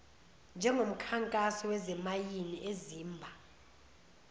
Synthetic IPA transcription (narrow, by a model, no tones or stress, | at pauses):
nd͡ʒʱɛŋʱom̩kʰaŋkʼasɔwɛzɛmajiniʔeziːmbʱa